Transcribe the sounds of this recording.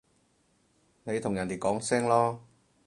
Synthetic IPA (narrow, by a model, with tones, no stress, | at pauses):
ne˨˧jt̪ʰʊ˨˩ŋjɐ˨˩nt̪i˨˩kɔː˨˥ŋsɛː˥ŋlɔː˥